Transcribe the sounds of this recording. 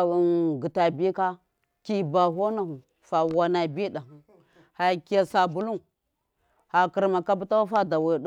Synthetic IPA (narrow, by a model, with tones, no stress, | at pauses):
ɡi˨ta˨bi˦ka˦ | ki˦ba˨ɦo˦na˨hu˨ | fa˨wa˨na˨bi˦ɗa˨ | ha˨ka˨sa˨bu˦lu˦ | ha˨ki˨ɾma˨ka˦bu˦ta˦wa˦fa˦da˨wa˨ɗ